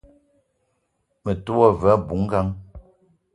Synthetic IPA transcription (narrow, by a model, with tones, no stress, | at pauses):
mə˨tu˦ɔ˦˨vɛ˨˦bu˨˦ŋ̩˦ɡa˦ŋ